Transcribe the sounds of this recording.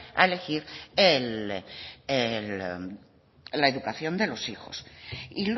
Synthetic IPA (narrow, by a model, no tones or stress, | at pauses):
a̰ele̞xiɾel | el | laeðukaθjo̞nd̪e̞lo̞sixo̞̰sil